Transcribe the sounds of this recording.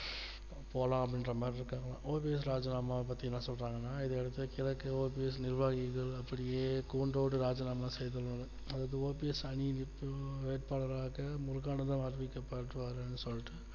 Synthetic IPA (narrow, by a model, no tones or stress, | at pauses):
poːlãːɐp̬ɐɽɪnɾɐmaːɾɪɾɯkːaːŋɡɐlã̰ːʔoːpiɛs̬ɾaːd͡ʒɐnaːmaːp̬ːɐt̪ːiɐnãːsɔlɾaːŋɡɐnːaːɪðɐɛɽɯt̪ːɯkɪlɐkːɯoːpiɛs̬nɪɾʋaːɣɪɣɐɭɐpːɐɽɪjeːkuːɳɖoːʋʈːɯɾaːd͡ʒɐnaːmasɛjðɐlɐnɯ | ɐðaːðɯoːpiɛsɐɳinɪpːɯʋeːʈ̚paːɭɐɾaːɣɐmʊɾɯkaːnɐt̪ãːɐɾʋikːɐpːaːɾʈːɯʋaːɾɯɐnːɯsɔlːɪʈːɯ